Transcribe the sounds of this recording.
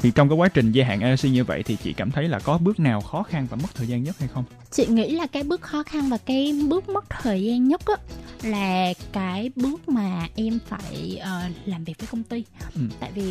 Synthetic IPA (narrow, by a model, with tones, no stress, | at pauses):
i˨˩t͡ɕɔ˧wŋ͡mkaː˨˦jkwaː˨˦t͡ɕï˨˩ŋ̟za˧ɦa̰ː˧˨ʔɛ˧si˧ɲɨ˧və̰˧˨jt̪ʰi˨˩t͡ɕḭ˧˨kaː˧˩mt̪ʰə˨˦jlaː˨˩kɔ˨˦ɓɨ˦˥ək̚naː˨˩wxɔ˨˦xa˧nvaː˨˩mə˦˥t̚t̪ʰəː˨˩jzaː˧nɲə˦˥t̚ha˧jxə˧wŋ͡m | t͡ɕḭ˧˨ŋḭ˧˥laː˨˩kaː˨˦jɓɨ˦˥ək̚xɔ˨˦xa˧nvaː˨˩kaː˨˦jɓɨ˦˥ək̚mə˦˥t̚t̪ʰəː˨˩jzaː˧nɲə˦˥t̚ʔaː˨˦laː˨˩kaː˨˦jɓɨ˦˥ək̚maː˨˩ʔɛ˧mfaː˧˩jʔəː˨˩laː˨˩mvi˨˩k̚əː˨˦jkə˧wŋ͡mt̪i˧ʔɨ˩˨˩mt̪a̰ː˧˨jvi˨˩